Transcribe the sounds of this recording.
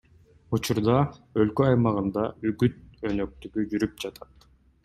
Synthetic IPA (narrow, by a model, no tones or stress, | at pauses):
ut͡ʃuɾd̪ɑø̞lkøɑjmɑʁɯnd̪ɑyɡyt̪̚ø̞nø̞k̚t̪yɡyd͡ʒyɾyp̚d͡ʒɑt̪ʰɑt̪